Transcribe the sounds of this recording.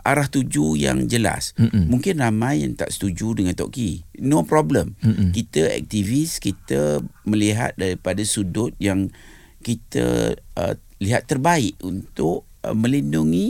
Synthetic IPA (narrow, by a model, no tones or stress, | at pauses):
ʔaɾaht̪ud͡ʒuja̰ŋd͡ʒəla̰smuŋkɪnramãja̰ŋt̪a̰ʔsə̥t̪ud͡ʒudəŋant̪ɔ̰ʔkinopɾɔbləmkit̪əɛ̰k̚t̪iviskit̪əmə̃liɦa̰t̪̚daɾipadasudʊt̪̚jaŋ | kit̪ə̰ə̰ | liɦat̪ːərbaɪʔunt̪ʊʔ | mə̃linduŋi